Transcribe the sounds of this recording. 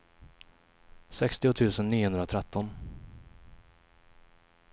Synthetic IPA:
sɛkst̪ɪʊt̪ʰʉ̟ːsənːiːʊhɵnd̪ɾat̪ʰɾɛt̪ʰːɔn

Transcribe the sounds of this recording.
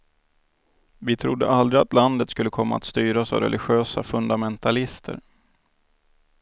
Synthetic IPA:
vɪt̪ʰɾʊd̪ːə̰ʔald̪ɾɪat̪land̪ət̪skɵlːəkʰɔmːa̰ːt̪st̪yːɾaɔsa̰vɾɛ̰lʔɪɧøːsafɵnd̪amɛnt̪ʰalɪst̪ʰə̰ɾ

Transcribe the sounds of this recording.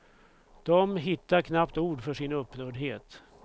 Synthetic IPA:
d̪̥ɔmɦɪt̪ːaɾkʰnapt̪uːɖfœʂɪnɵpːnœːɖɦeːt̪

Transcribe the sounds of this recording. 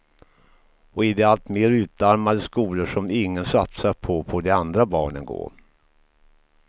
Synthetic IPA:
ɔɪd̪ɛalt̪meːɾʉ̟ːt̪aɾmad̪əskuːləʂɔmɪŋːənsat̪saɾpʰɔpʰɔd̪ɛand̪ɾabɑ̰ːɳənɡo̰ː

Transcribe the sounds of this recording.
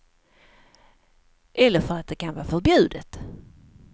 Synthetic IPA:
ʔɛlːəɾfœɾat̪̚d̪ɛkʰanvɑːfœɾbjʉ̟ːd̪ət̪

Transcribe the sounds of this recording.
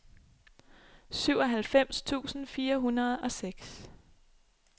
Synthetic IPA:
syʊ̰ɒ̽ɦælfem̰st͡sʰṵːsn̩fiːɐɦunɐð̞̩ˠɒ̽seɡ̥s

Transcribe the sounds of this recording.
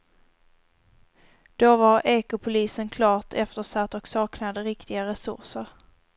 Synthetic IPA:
d̪̥ovaɾeːkʊpʰʊliːsənkʰlɑːʈʰɛft̪əʂat̪ːɔksɑːknad̪əɾɪkt̪ɪɡaɾɛsɵ̰ʂəɾ

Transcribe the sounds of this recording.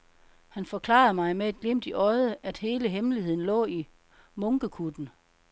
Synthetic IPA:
hænfɒ̽kʰlɑ̰̈ːð̩ˠmɑ̈ɪmeæd̥̚ɡ̥lem̰d̥iʔɒ̽ɪð̞ˠəʔæd̥he̝ːləɦemlihe̝ð̰ˠn̩lɔ̰ːi | mɔ̽ŋɡ̥əkʰud̥n̩

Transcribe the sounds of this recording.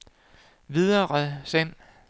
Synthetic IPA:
ʋið̞ˠɐʁəsæn̰

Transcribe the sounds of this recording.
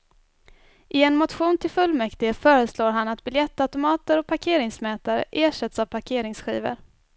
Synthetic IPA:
ʔɪɛnmʊt̪ɧuːnt̪ʰɪlfɵlmɛkt̪ɪəfœːɾəsloːɾɦanːat̪̚bɪljɛt̪ːaʉt̪ʊmɑːt̪əɾɔk̚pʰaɾkʰeːɾɪŋsmɛːt̪aɾə̰ʔeːʂɛt̪savpʰaɾkʰeːɾɪŋsɧḭːvə̰ɾ

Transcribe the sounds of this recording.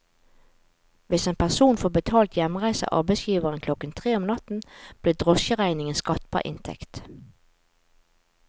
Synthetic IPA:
ʋɪseːnpʰæʁsuːnfoːbət̪ʰɑːlt̪ʰjɛmʁæɪsə̰ʔɑ̰ʁbɛsjiːʋəʁənkʰlɔkənt̪ʰʁeːɔmnɑt̪n̩b̥leːd̪ʁɔsçəʁæɪnɪŋənskɑt̪bɑ̰ʔɪ̰nt̪ʰɛ̰kt̪

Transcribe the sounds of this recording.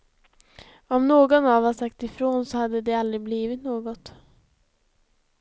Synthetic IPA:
ɔmnoːɡɔnɑʋɑsakt̪ɪfɾoːnsɔhad̪ːəd̪ɛald̪ɾɪbliːʋɪt̪noːɡɔt̪

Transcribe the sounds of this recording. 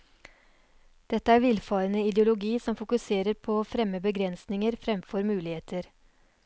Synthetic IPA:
d̪̥ɛt̪ːəæːɾʋɪlfɑːɾənəɪd̪əʊlʊɡiːsɔmfʊkʉseːɾəɾpʰoːoːfɾɛməbəɡɾɛnsnɪŋəɾfɾɛmfɔɾmʉːlɪheːt̪ʰəɾ

